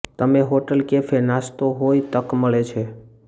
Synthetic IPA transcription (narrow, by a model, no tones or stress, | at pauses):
t̪əmeɦoʈəlkefʰenast̪oɦoit̪əkməɭet͡ʃʰe